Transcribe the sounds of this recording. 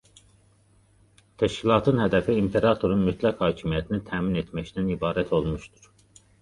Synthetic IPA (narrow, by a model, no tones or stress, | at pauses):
t̪ʰæʃcʰilˠɑːt̪ʰɯnhæd̪æfiːmpʰe̞ɾɑt̪ʰo̞ɾunmyt̪ʰlækhɑːcʰimijæt̪ʰinit̪ʰæːminet̪ʰmæct̪ænibɑːɾæt̪ʰo̞lˠmuʃt̪u̥ɾ̥